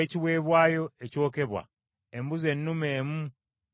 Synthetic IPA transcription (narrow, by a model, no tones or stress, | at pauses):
eciβwe̞ːβwaːjo̞eco̞ːke̞βwa̰ | embuze̞nːumeːmu